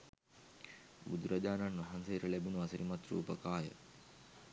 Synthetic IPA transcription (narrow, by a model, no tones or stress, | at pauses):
bud̪uɾɐʄaːnɐnʋɐɦanseːɾəlebunuɐsɐɾimɐt̪ɾṵːpəkaːjə̰